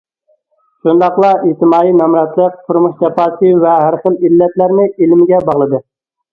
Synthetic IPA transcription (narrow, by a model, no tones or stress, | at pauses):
ʃund̪ɑχlˠɑiht̪ɪmɑːjinɔmɾɑt̪lˠəq̚t̪ʰuɾmuʃd͡ʒɛpɑːsɨvɛɦæɾχəlilːɛt̪læɾnɪilmɪɡʲɛbɑʁlˠɨd̪ɨ